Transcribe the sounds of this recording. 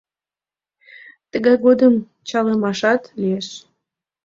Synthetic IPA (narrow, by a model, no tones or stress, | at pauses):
t̪əɣɑjɣod̪əm | t͡ɕɑləmɑʃɑt̪lieʃ